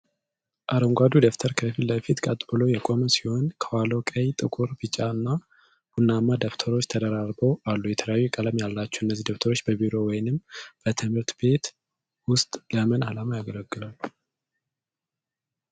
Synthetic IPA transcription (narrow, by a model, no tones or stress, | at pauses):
ʔaɾoŋɡʷad̪ud̪oft̪ʰəɾkʰəfilːəfit̪kʼat̪ʼbɨlojɛkʼo̞məsiho̞nkʰəwalokʼəjt̪ʼɨkʼuɾbɨt͡ʃʼaɨnːa | b̥unːamːad̪oft̪ʰəɾo̞t͡ʃːt̪ʰəd̪əɾaɾbowalːujɛt̪ʰələjajːukʼələmjalːat͡ʃːɛɨnːəzːid̪oft̪ʰəɾo̞t͡ʃːbəbiɾo̞wɔjnɨmb̥ət̪ʰɨmhɨɾt̪be̞t̪ | wʊst̪ʼləmənalamajaɡələɡːɨlalːu